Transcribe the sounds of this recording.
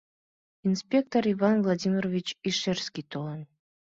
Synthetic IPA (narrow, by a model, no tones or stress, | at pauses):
inspʲe̞k̚t̪oɾivanvlˠadʲimʲirovʲit͡ɕiʃeɾskʲit̪ʰolˠɑn